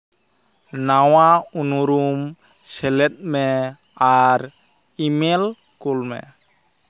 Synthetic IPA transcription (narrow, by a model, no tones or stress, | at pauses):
nawaunuɾum | sɛlɛt̪̚ˀmɛ | aɾ | imɛl | kulmɛ̰